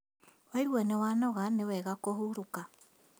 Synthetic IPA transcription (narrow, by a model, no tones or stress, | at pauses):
waiɾwɛnewanɔɣanewɛɣakohuɾuka